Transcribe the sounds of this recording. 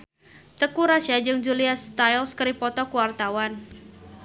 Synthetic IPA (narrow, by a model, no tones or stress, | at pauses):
t̪əkuɾaʃad͡ʒɨŋd͡ʒuliast̪ajlskəɾipɔt̪ɔkuwart̪awan